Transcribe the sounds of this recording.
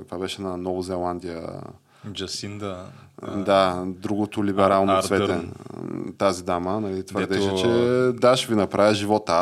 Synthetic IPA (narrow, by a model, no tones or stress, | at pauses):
kt̪vabɛʃɛnɐnɔvozɛlˠand̪ʲijə̰ | d͡ʒɐsind̪ | d̪ad̪ɾuɡot̪ʊlibɛɾalˠnovɛt̪ɛ | t̪azid̪amənɐlit̪vəɾɾdd̪ɛʃɛt͡ʃɛd̪aʃɛvinɐpɾavʲəʒivɔt̪ə